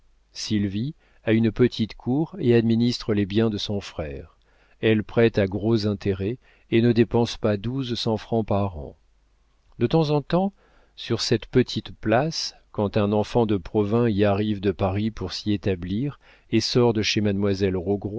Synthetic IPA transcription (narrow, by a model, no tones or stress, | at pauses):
silvi | aynpət̪ʰit̪kʰuʁead̪minist̪χəlebjɛ̃d̪əsɔ̃fχɛːʁ | ɛlpχɛt̪aɡʁozɛ̃t̪ʰeʁɛ | enəd̪epɑ̃spad̪uzsɑ̃fχɑ̃paʁɑ̰̃ | d̪ət̪ɑ̃zɑ̃t̪ɑ̃ | syʁsɛt̪pət̪ʰit̪plas | kɑ̃t̪ɛ̃nɑ̃fɑ̃d̪əpχɔvɛ̃iaʁivd̪əpaʁipuʁsiet̪abliʁ | esɔʁd̪əʃemanmwazɛlʁoɡʁwa